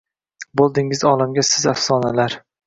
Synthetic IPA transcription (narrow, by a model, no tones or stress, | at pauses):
bolˠd̪ɪŋɪzɒːlamɡʲasɪzafsɒːnalaɾ